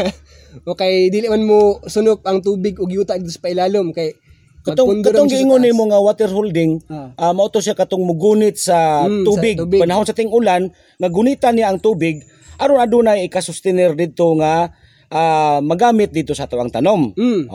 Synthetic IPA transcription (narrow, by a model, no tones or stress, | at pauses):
ʔokɐjd̪iːlɪʔmanmosʊnʊp̚ɐŋt̪uːbɪɡoɡjuːt̪aʔd̪ɪd̪ʊspaʔɪlaːlomkɐj | kat̪oŋd̪kat̪oŋɡɪŋonːimoŋawat̪ɛɾhold̪ɪŋʔamɐʔʊt̪os̬jakɐt̪oŋmʊɡunɪt̪̚sauːbɪɡ̪̚bpanaɦonsat̪ɪŋʔʊlan | ŋaɡʊnit̪anɪjaʔːŋt̪uːbɪɡ̚ | ʔɐɾonɐd̪ʊnajɪkasʊst̪ɪnɛrd̪ɪd̪̚t̪oŋa | ʔamɐɡaːmɪt̪̚d̪ɪd̪̚t̪osɐt̪aʔɐŋt̪anom̩